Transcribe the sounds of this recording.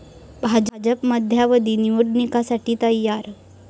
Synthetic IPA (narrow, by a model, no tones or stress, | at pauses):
bʱad͡ʑd͡ʑəpməd̪ʱjaʋəd̪iniʋuɾnikasaʈiːt̪əjːaɾ